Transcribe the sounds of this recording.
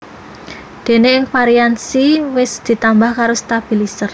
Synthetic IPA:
d̪̥e̤neɪŋpaɾiansiwɪsd̪̥i̤t̪ambahkaɾost̪ab̥i̤lisər

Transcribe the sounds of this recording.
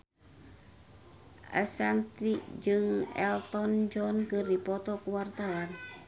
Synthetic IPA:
ʔa̰sant̪id͡ʒɨŋɛ̰lt̪ɔnd͡ʒɔnkɨrdipɔt̪ɔkuwart̪awan

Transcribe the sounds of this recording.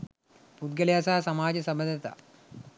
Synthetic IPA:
pud̪̚ɡɐljaːsaːsɐmaːd͡ʑɐsɐmbɐnd̪ɐt̪ɐ̰

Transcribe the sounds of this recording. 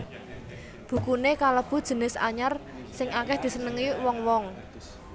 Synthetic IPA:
b̥ṳkunekaləb̥ṳd̥ʒ̥ə̤nɪsa̰ɲar | sɪŋakɛhd̪̥i̤sənəŋiwɔŋwɔŋ

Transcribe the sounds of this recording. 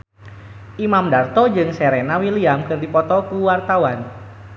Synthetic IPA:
ʔimamdart̪ɔd͡ʒɨŋsɛɾɛnawiliamkɨrdipɔt̪ɔkuwart̪awan

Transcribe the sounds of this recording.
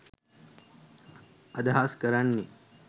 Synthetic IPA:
ɐd̪ɐɦaːskɐɾɐnːi

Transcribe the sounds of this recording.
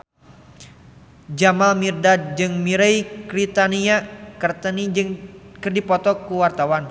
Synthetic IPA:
d͡ʒamalmirdad̚d͡ʒɨŋmiɾɛjkɾit̪aniakərt̪ənid͡ʒɨŋkərdipɔt̪ɔkuwart̪awan

